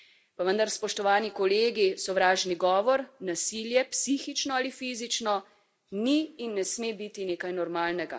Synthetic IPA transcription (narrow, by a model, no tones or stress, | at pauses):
paʋənd̪aɾspɔʃt̪ɔʋaːnikɔleːɡisɔʋɾaːʒniɡɔːʋɔɾnasiːljɛpsiːxit͡ʃnɔalifiːzit͡ʃnɔ | niːnːɛsmeːbit̪ineːkajnɔɾmaːlnɛɡa